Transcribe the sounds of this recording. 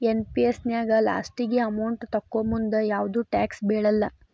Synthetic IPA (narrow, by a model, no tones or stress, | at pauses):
enpiesnjaːɡɐla̰ːsʈiɡeɐmɐwɳʈt̪ɐkːomund̪ɐjaːʋd̪uːʈaːksbeːɽɐlːɐ